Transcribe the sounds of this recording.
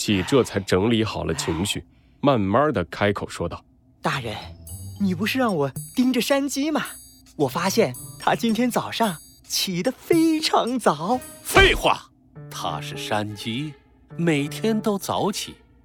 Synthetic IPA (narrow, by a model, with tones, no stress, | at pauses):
t͡ɕʰi˨˩ʈ͡ʂɤ˥˩t͡sʰa˧˥ɪʈ͡ʂɤ˧˥ŋli˧˥xɑ˨˩ʊlʔə˦t͡ɕʰi˧˥ŋɕy̰˥˩ | ma˥˧nma˥d̪ə˨kʰa˥ɪkʰo˨˩ʊʂwɔ˥t̪ɑ˥˩ʊ | t̪a˥˩ɻə˧˥nni˨˩pu˧˥ʂɻ̩˥˧ɻɑ˥˩ŋwɔ˨˩t̪i˥ŋʈ͡ʂə˨ʂa˥nt͡ɕi˥mɐ˨ | wɔ˨˩fa˥ɕjɛ˥˩nt̪ʰa˥t͡ɕi˥nt̪ʰjɛ˥nt͡sɑ˨˩ʊʂɑ˥˩ŋ | t͡ɕʰi˨˩d̪ə˧fe˥ɪʈ͡ʂʰɑ˧˥ŋt͡sɑ˨˩˦ʊfe˥˧ɪxwa̰˥˩ | t̪ʰa̰˥ʂɻ̩˥˩ʂa˥nt͡ɕi˥ | me˨˩ɪt̪ʰjɛ˥nt̪o˥ʊt͡sɑ̰˧˥ʊt͡ɕʰḭ˨˩˦